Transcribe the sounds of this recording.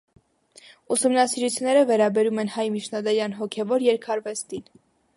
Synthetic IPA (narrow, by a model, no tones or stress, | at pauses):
usumnɑsiɾut͡sʰunːɛɾəvɛɾɑbɛɾumɛnhɑjmit͡ʃʰnɑd̪ɛɾjɑnɦɔkʰɛvɔɾjɛɾkʰɑɾvɛst̪in